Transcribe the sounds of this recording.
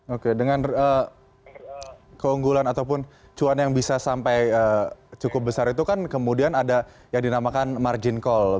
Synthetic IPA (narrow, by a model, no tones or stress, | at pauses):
okedəŋanə | kəuŋɡulanat̪aupʊn | t͡ʃuanjaŋbisasampajəːt͡ʃukʊp̚bəsaɾit̪ukankəmudianada | jaŋdinamakanmard͡ʒɪnkɔl